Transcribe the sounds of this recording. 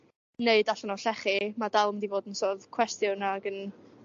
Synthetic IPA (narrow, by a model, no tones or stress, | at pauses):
neɨdaɬɔnɔɬɛχimadalˠmdivoːdənsoːðkʰw̥ɛstjʊnaɡən